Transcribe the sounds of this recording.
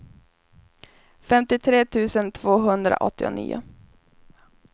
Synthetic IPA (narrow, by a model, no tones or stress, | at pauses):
fɛmt̪ɪt̪ʰɾeːt̪ʰʉ̟ːsənt̪ʰv̥oːɦɵnd̪ɾa̰ʔɔt̪ːɪʊ̰nḭːʊ̰